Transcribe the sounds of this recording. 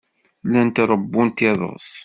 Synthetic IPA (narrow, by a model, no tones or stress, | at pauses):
lænt̪ɾˤəbːunt̪ɪðˤə̰s